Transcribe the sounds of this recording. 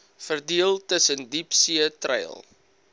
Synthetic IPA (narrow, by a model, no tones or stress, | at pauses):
fərdiəlˠtəsəndipsiətrɛ̰j̰lˠ